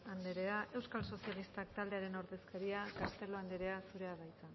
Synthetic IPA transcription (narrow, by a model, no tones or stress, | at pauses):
and̪eɾe̞aʔe̞wskalso̞sialist̪ak̚t̪ald̪e̞aɾe̞no̞ɾðe̞skaɾiakast̪e̞lo̞and̪eɾe̞asuɾe̞aβajt͡sa